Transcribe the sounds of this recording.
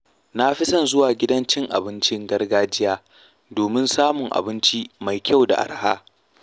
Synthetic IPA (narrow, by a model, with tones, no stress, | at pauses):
na˦ɸɪ˦sɐ˦˨nzʊ˦waː˨ɡʲɪ˦dɐ˦nt͡ʃɪ˦ŋʔa̰˨bɪ˦nt͡ʃɪ˦ŋɡɐ˦rɡaː˦d͡ʒɪ˦jaː˦ | doː˨mɪ˦nsaː˦mʊ˨ŋʔa̰˨bɪ˦nt͡ʃi˦ma˨jkʲʰa˦˨wda̰˨ʔa̰˨rhaː˦